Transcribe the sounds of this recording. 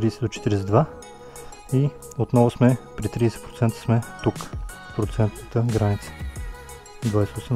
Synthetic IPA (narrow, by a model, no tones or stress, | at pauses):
t̪ɾisɛd̪ot͡ʃɛ̥t̪iɾisɛd̪va | i | ot̪nɔvʊsmɛpɾit̪ɾiɛsɛt̪pɾot̪sɛnt̪ə̥smɛt̪uk | pɾot̪sɛnt̪nt̪əɡɾanit̪sə̥ | d̪vajsɛosɛm